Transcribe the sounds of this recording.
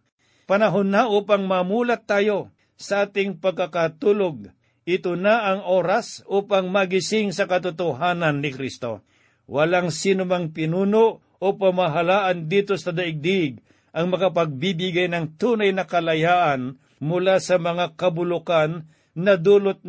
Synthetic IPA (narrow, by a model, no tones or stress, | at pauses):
pɐnɐɦonːɐʔuːpɐŋmɐmuːlɐt̪ːaːjo̞ | sɐʔaːt̪ɪŋpɐɡ̚kɐkat̪uːloɡ̚ | ʔɪt̪onaʔːŋʔoːɾasʔuːpaŋmɐɡɪsɪŋsɐkɐt̪ʊt̪ʊɦaːnɐnːɪkɾist̪o̞̰ | wɐlaŋsiːnʊmɐŋpɪnuːnoʔ | opɐmaɦalaːʔɐnd̪iːt̪o̞sɐd̪ɐʔɪɡ̚d̪ɪɡ̚ | ʔɐŋmɐkɐpɐɡ̚bibɪɡajnɐŋt̪uːnajnɐkɐlɐjaːʔɐn | mʊlasɐmɐŋakɐbʊlʊkanː | ɐd̪uːlot̪̚